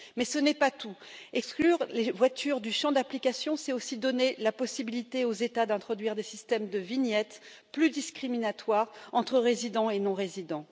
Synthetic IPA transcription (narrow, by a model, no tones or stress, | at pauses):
mɛsənɛpat̪uɛksklyʁlevwat̪yʁd̪yʃɑ̃d̪aplikasjɔ̃sɛosid̪ɔnelapɔsibilit̪eozet̪ad̪ɛ̃t̪χɔd̪ɥiʁd̪esist̪ɛmd̪əvinjɛt̪ | plyd̪iskχiminat̪waʁɑ̃t̪χəʁezid̪ɑ̃enɔ̃ʁezid̪ɑ̃